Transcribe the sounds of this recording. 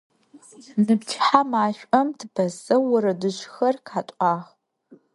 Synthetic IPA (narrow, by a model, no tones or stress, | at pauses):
nɨpt͡ʃʰħamaːʃʷʼɐmtʰbʰɐzɐwʊɾɐdɨɕxɐrkʰaːtʷʼaːʁ